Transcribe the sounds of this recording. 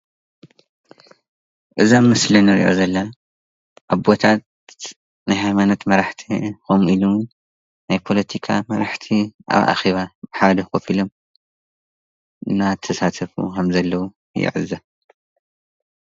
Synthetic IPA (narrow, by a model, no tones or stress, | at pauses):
ʔɨzammːɨslinɨɾḭʔo̰zɐlːɐ | ʔaβbot̪ʰat̪ | najhajmanɐt̪mɐɾaħt̪ʰixomilu | najpʰo̞lɐt̪ʰikʰa̰mɐɾaħt̪ʰiʔa̰βʔa̰xeβabħad̪ɐxofilom | ɨnat̪ʰːɐsat̪ʰɐfṵkʰɐmzɐlːɐwu | jɪ̰ʕɨ̰zːɐ